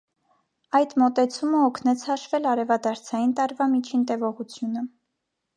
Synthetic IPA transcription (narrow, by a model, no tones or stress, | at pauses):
ɑjd̪mɔt̪ɛt͡sʰuməɔkʰnɛt͡sʰhɑʃvɛlɑɾɛvɑd̪ɑɾt͡sʰɑjint̪ɑɾvɑmit͡ʃʰint̪ɛvɔʁut͡sʰjunə